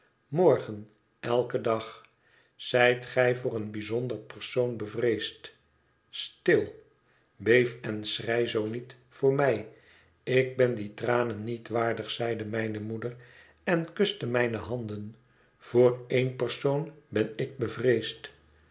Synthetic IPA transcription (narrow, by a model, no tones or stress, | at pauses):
mɔɹχən | ɛlˠkədɑχ | z̥ɛjtχɛjvʊːɾənbizɔndərpəɹsownbəvrejst | stɪlˠ | bejfɛnsrɛjzownit | fʊːɹmɛj | ɪk̚bɛnditraːnənitʋaːɹdəχsɛjdəmɛjnəmudər | ɛnkɵstəmɛjnəɦɑnd̪ən | v̥oːɹejnpərsownbɛnɪk̚bəvrejst